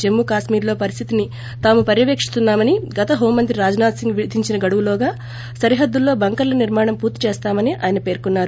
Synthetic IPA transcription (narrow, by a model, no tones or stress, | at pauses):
d͡ʒe̞mːukaːʂmiːɾlo̞ːpɐɾist̪ʰit̪ini | t̪aːmupɐɾjɐʋeːkʂi̥st̪unːaːmɐniɡɐt̪ɐɦoːmmːɐnt̪ɾiɾaːd͡ʒɐnaːd̪siŋɡʋiɾud̪ʱiɲt͡ʃinɐɡɐɽuʋulɔːɡaː | sɐɾiɦɐd̪ːulːo̞ːbɐŋkɐɾlɐniɾmaːɳɐmpuːɾt̪it͡ʃeːst̪aːmɐniʔa̰ːjɐnɐpe̞ːɾkunːaːɾu